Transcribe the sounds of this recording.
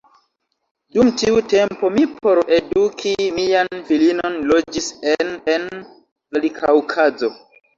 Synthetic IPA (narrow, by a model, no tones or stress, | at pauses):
dumtiute̞mpo̞mipʰo̞ɾe̞dukʰimianfilino̞nlo̞d͡ʒisenen | alikʰawkʰazo̞